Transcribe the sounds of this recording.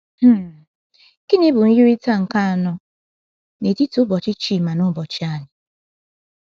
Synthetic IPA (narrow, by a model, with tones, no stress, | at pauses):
h̩˦ | ki˦nɪ˦bʊ˨n̩˦ju˦ɾi˦ta˦ŋ̩˨ka˦a˨nɔ˦ | ne˨ti˦tʊ˦bɔ˨t͡ʃɪ˦t͡ʃi˦˨ma˨nʊ˦bɔ˨t͡ʃi˦a˦˨nɪ˨